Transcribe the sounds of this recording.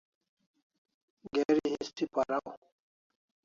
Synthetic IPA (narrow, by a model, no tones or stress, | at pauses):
ɡeɾiɦĩst̪ipɐɾaw